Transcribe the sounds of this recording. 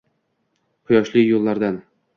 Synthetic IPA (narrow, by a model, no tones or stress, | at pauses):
qʰʊjɒʃlɪjolˠːaɾd̪an